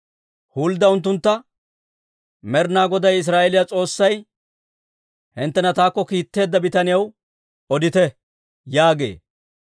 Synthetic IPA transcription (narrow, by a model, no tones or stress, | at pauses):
huːld̪ɐʊnt̪̬ːʊnt̪ːɐ | mɛɾnaːɡɔd̪ɐjɪs̬ɾaːʔɛlɪjat͡sʼo̞ːsːɐj | hɪnt̪ːɛnɐt̪aːkːɔkiːt̪ːe̞ːd̪ːɐbɪt̪ɐnɪjɐw | ɔd̪ɪt̪ɛ | jaːɡe̞̰ː